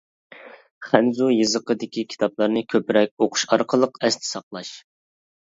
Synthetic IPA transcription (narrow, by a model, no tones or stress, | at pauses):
χænzujɨzəqəd̪ɪkʲʰikʲʰi̥t̪ʰɑplˠɑɾnɨkʲʰøpɾɛk̚ʲoqʰʊ̥ʃɑɾqʰəlˠəqɛst̪ʰɪ̥sɑqlˠɑʃ